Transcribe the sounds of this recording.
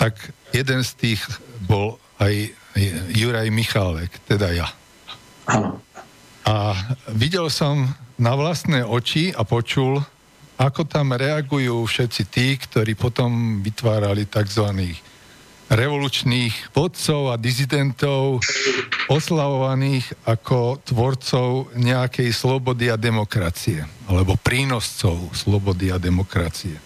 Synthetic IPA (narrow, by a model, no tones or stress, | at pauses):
t̪aɡjɛd̪ɛnst̪iːɣbɔl | ajajːuɾajmixalɛkt̪ɛd̪aja | aʋiɟɛlsɔmnaʋlast̪nɛːɔt͡ʃiapɔt͡ʃul | akɔt̪amɾɛaɡujuːfʃɛt̪t͡sit̪iːkt̪ɔɾiːpɔt̪ɔmʋit̪ʋaːɾalit̪aɡzʋaniːx | ɾɛʋɔluːt͡ʃniːɣʋɔt̪t͡sɔʊad̪izid̪ɛnt̪ɔʊ | ɔslaʋɔʋaniːɣakʰɔt̪ʋɔɾt͡sɔʊɲɛakɛjslɔbɔd̪iad̪ɛmɔkɾa̰t͡siɛalɛbɔpɾiːnɔst͡sɔʊslɔbɔd̪iad̪ɛmɔkɾa̰t͡siɛ